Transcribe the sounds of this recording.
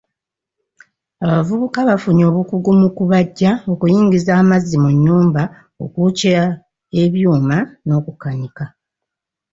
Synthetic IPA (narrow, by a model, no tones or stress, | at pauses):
aβavuβukaβafuɲo̞ːβukuɡumukuβaɟːao̞kujiːɲɟizaːmazimuɲːuːmba | o̰kucia | e̞βjuːmano̞ːkukaɲika